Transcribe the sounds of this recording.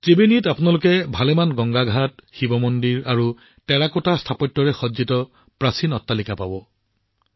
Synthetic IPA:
tibenitapʊnalʊkɛbʱalɛmanɡɔŋɡaɡʱatxibɔmɔndiɹaɹu | tɛɹakʊtastʰapɔtːɔɹɛxɔzitɔ | pɹasinɔtːalikapabɔ

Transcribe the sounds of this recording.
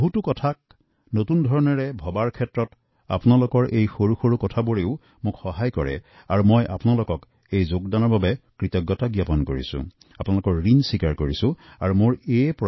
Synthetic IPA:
ɦutʊkɔtʰak̚ | notundʱɔɹɔnɔɹɛbʱɔbaɹkʰɛtɹɔt | a̰punalʊkɔɹʔejxoɹuxoɹukɔtʰabuɹeʊ | mʊkxɔɦajkɔɹɛ̰ | aɹumɔjʔa̰pʊnalokɔk | ejzoɡdanɔɹbabɛkɹitɔɡːɔtaɡjapɔnkoɹḭsʊ̰̃ | apʊnalʊkɔɹɹinsikaɹkoɹisʊ̃aɹumʊɹep

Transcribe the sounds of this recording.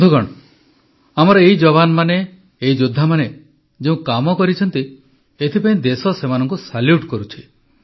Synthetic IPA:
d̪ʱuɡɔɽ̃ɔ | amɔɾɔeɦid͡ʒɔβanɔmaneː | id͡ʒud̪ʱːamane | d͡ʒeũkamɔkɔɾit͡ʃʰɔnt̪i | et̪ʰipaĩd̪esɔsemanɔŋkusaljuʈkɔɾut͡ʃʰi̥

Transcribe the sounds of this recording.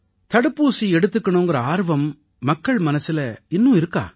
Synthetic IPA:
t̪ɐɽɯpːuːsiɛɽɯt̪ːɯkːɐɳʊ̃ŋɡɐɾɐaːɾʋɐmː | ɐkːɐɭmɐnɐsɪlɐɪnːʊ̃ɪɾɯkːa̰ː

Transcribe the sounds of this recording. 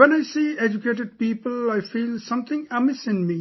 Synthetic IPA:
ʋɛ̃naɪsiːɛd͡ʒukeːʈ̬ɨɖ̚piːpəlaɪfiːlsʌ̃mt̪ʰɪ̃ŋæmɪsɪ̃nmi

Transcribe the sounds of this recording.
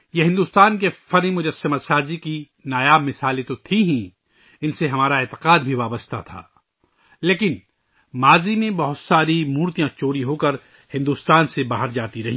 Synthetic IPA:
jeɦɪ̃nd̪uːst̪aːnk̬efɐɾĩmʊd͡ʒɐsːɪməsaːziki | naːjaːbmɪsaːlet̪ot̪ʰiɦɛ̃ː | ɪnseɦɐmaːɾaeːt̪ɪ̥qaːd̪bʱiʋaːbəst̪a̰t̪ʰa̰ː | leːkɪn | maːzimẽbɐɦʊt̪saːɾimuːɾt̪ijãt͡ʃoːɾiɦoːkɐɾ | hɪ̃nd̪uːst̪aːnsebaːɦəɾd͡ʒaːt̪iɾɐɦĩ

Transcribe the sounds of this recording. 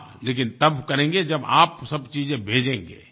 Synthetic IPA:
leːkɪnt̪ɐbkɐɾẽːŋɡed͡ʒɐba̰ːpsɐbt͡ʃiːzẽbʱeːd͡ʒẽːŋɡḛː

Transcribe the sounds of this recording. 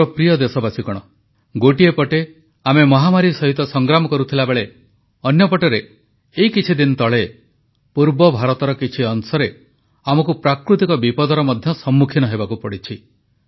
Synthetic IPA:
ɔpɾijɔd̪esɔbasikɔɽ̃ɔ | ɡoʈiepɔʈe | amemɔɦamaɾisɔɦit̪ɔsɔŋɡɾamɔkɔɾut̪ʰilabeɭe | ɔnjɔpɔʈɔɾeː | ikit͡ʃʰid̪inɔt̪ɔɭe | puɾbɔbʱaɾɔt̪ɔɾɔkit͡ʃʰiɔnsɔɾe | amɔkupɾakɾut̪ikɔbipɔd̪ɔɾɔmɔd̪ʱjɔsɔmːukʰinɔɦebakupɔɽit͡ʃʰi

